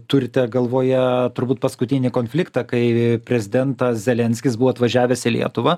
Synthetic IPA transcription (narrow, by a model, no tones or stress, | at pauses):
t̪ʊɾʲɪt̪ʲɛɡɐlˠʋoːjɛt̪ʊɾbuːt̪pɐskʊt̪ʲɪnʲɪkoːnʲfʲlʲɪkt̪ɑkɐɪpʲɾʲɛzʲɪd̪ʲɛnt̪ɐszʲɛlʲɛnʲsʲkʲɪsbʊʋoːɐt̪ʋɐʒʲæːʋʲɛsʲɪlʲḭɛt̪ʊʋɐ